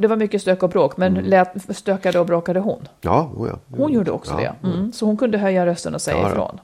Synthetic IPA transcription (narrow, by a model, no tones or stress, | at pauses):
d̪ɛvaɾmʏkːəst̪øːkːɔbɾoːkmɛnlɛːt̪st̪øːkad̪əɔbɾoːkad̪əɦʊnːj̰hʊnjuːɖəɔ̰ksɔɔ̰d̪ɛ̰sɔhʊnkʰɵnd̪əɦœjːaɾœst̪ənɔsɛ̰ja̰ɪ̰fɾo̰ːn